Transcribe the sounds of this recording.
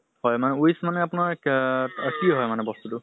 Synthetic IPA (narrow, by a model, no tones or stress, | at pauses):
hɔjmanɛujsmanɛapunaɹ | kiɦɔjmanɛbɔstutʊ